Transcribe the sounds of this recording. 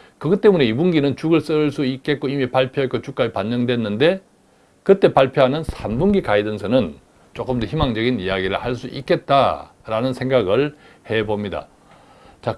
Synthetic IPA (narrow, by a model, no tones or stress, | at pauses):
kɯɡɯt͈e̞mune̞ibuŋɡinɯnt͡ɕuɡɯɭs͈ɯɭs͈uik͈̚e̞t̚k͈oimipaɭpʰjoɦek͈ːot͡ɕuk͈aɾipanːʌŋdwe̞nːɯnde̞ | kɯt͈e̞paɭpʰjoɦanɯnsʰambuŋɡikaidɯnsʰʌnɯn | t͡ɕ͈ok͈ɯmtʰʌçimaŋd͡ʑʌɡinijaɡiɾɯɭhaɭs͈uʔik͈e̞t̚t͈a̰ | ɾanɯnsʰe̞ŋɡaɡɯɭ | he̞bomɲida̰ | t͡ɕa